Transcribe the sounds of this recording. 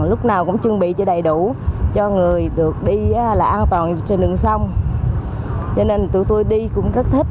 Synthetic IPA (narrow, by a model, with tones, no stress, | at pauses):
lʊ˦˥k͡p̚naː˨˩wkʊ̰˧˥ŋ͡mt͡ɕɨ˧əŋɓḭ˧˨t͡ɕɔ˧˩ɗə˨˩jɗu˧˩t͡ɕɔ˧ŋɨ˨˩əjɗɨ˨˩ək̚ɗi˧˦˧laː˨˩ʔaː˧nt̪waː˨˩nt͡ɕe˧nɗɨ̰˧˨ŋsa˧wŋ͡m | t͡ɕɔ˧ne˧nt̪ɨ˨˧˩t̪o˧jɗi˧kʊ̰˧˥ŋ͡mzə˦˥t̚t̪ʰe˦˥t̚